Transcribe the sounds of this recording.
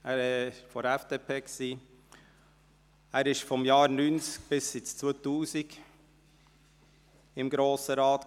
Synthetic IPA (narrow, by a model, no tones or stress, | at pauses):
æːɾɛʃfɔɾɛfd̥eːpʰeːksiː | æːɾɪʃfɔmjɑːɾnyːnt͡sk̚b̥ɪsɪt͡st͡sotuːsiɡ | ɪmɡɾoːsəɾɑːt